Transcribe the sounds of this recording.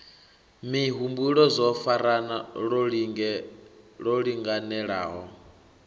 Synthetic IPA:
miɦumbuɺɔzɔfaɾanaɺɔɺŋɛɺɔɺiŋɡanɛɺaːɦɔ

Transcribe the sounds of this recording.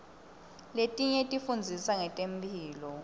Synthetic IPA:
letʼiɲɛtʼifund͡zʱisaŋɛtʼempʼiːlɔ

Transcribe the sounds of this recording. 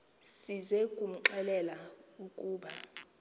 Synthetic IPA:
sizɛkʼum̩ǃɛlɛlaukʼuːɓa

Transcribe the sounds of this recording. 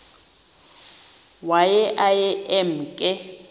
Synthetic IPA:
wajɛʔajɛɛm̩kʼɪ

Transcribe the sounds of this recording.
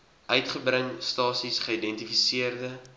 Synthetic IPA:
ʔœɥtχəbɾəŋstɑːsisχəidɛntifisiərdə

